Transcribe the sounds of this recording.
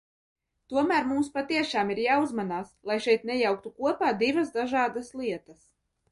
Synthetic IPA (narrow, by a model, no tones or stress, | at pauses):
t̪uɔmæːɾmumspat̪iɛʃaːmiɾjaːuzmanaːslˠajʃɛjt̪̚nɛjawk̚t̪ukuɔpaːd̪ivasd̪aʒaːd̪aslˠiɛt̪as